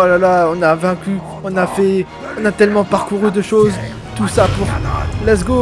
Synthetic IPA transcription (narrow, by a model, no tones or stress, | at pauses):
ɔlalaɔ̃navɛ̃kʲy | ɔ̃nafɛ | ɔ̃nat̪ɛlmɑ̃paʁkuʁyd̪əʃoz | t̪usapuʁlɛz̬ɡo